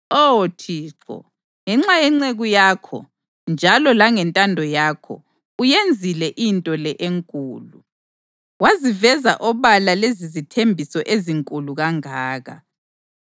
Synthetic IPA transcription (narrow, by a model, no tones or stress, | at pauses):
otʰiːǁʰɔ̰ | ŋɛŋ͡ǁajɛŋ͡ǀeɣujaːkʰɔ̰ | nd͡ʒʱalɔlaŋɛntʼandʱɔjakʰɔ̰ | ujend͡zʱilɛʔintʼɔlɛʔeŋkʼuːlu | wazivɛza̰ʔɔβalalezizitʰembʱisɔʔeziŋkʼuluɣaŋaːɣa̰